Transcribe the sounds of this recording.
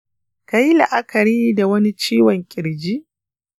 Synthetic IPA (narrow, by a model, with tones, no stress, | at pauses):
ka˨˦ji˦la˨ʔa˦kʰɐ˨ɾiː˦da˨wɐ˦ni˦t͡ʃiː˦wɔ˨ŋkʲʼɪ˨ɽd͡ʒi˦ʔ